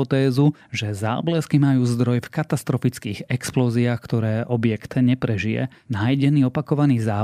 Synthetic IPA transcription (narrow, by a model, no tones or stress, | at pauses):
ɔt̪ɛːzuʒɛza̰ːblɛskimajuːzd̪ɾɔjfkat̪ast̪ɾɔfit͡skiːɣɛksplɔːziaːxkt̪ɔɾɛːʔɔbɪɛkt̪ɲɛpɾɛʒijɛ̰ | naːjɟɛniːɔpakɔʋaniːzaː